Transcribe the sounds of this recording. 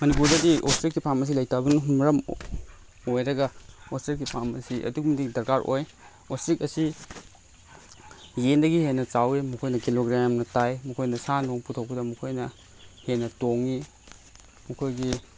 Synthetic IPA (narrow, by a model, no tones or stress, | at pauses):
mɐnipuɾdɐdiostɾikːipʰamɐs̬ilɐjtabɐnɦumɾɐm | ojɾɐɡɐostɾikːipʰamɐ̰siʔɐ̰duk̚mididɐɾkaɾʔo̰j | ostɾikɐsi | jendɐɡihenɐt͡ʃawimukʰojnɐkiloɡɾamnɐtajmukʰojnɐsanoŋputʰɐwbɐdɐmukʰojnɐ | henɐtoŋi | mukʰojɡi